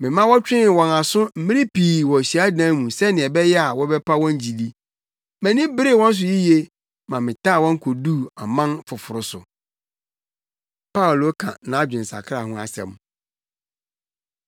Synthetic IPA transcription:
mɪ̃˨mã˦wɔ˦t͡ɕᶣɪ̃˦˨wɔ̃˨na˨sʊ˦m̩˨˦mĩ˦ĩ˦pʰiː˨wɔ̃˨ɕi˨a˦dã˦mũ˨sɛ˦nɪ̃˨ɛ˨bɛ˦jɛ˦a˨wɔ˦bɛ˦pʰa˦wɔ̃˦ɲ˦d͡ʑi˨li˦ | mɛ̃˨nɪ̃˦bɪ˦ɾɪ˦˨wɔ̃˦n̩˦s̬ʊ˨ji˦je˦ | mã˨mɪ̃˨taː˦˨wɔ̃˦ŋ̩˦kʰo˨du˦˨a˨mã˦nfʊ˨fʊ˨ɾʊ˨sʊ̰˨ | pa˦ʊ˨lo˨˦kʰã̰˨nã˨˦d͡ʑᶣɪ̃˨n̩˨sa̰˨kʰɾa˨hʊ̃˦a˨sɛ̰̃˨m

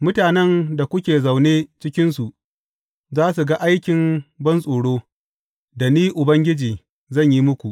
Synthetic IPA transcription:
mʊ˦taː˨nɛ˦nda˨kʷʊ˦kʲeː˨za˨wneː˦t͡ʃɪ˦kʲɪ˦nsu˨ʔ | zaː˦s̬u˨ɡa˦ʔa˦jkʲɪ˨mbɐ˦nsʼoː˨ɽoː˦ | da˨niː˦ʔʊ˨bɐ˦ŋɡʲɪ˦d͡ʒiː˨ | zɐ˦˨ɲji˦mʊ˦kʷu˨ʔ

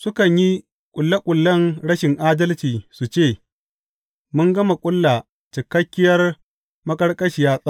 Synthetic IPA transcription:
sʊ˦kɐ˨ɲji˦ | kʷʼʊ˨lːa˦kʷʼʊ˨lːɐ˦ŋɽɐ˦ʃɪ˨ŋʔaː˦dɐ˦lt͡ʃiː˨su˨t͡ʃeː˦˨ | mʊ˦ŋɡɐ˦ma˨kʷʼʊ˦lːa˨ | t͡ʃɪ˨kɐ˦kʲːɪ˦jɐ˦r | mɐ˦kʼɐ˦rkʼɐ˦ʃɪ˨jaː˦sʼa˦

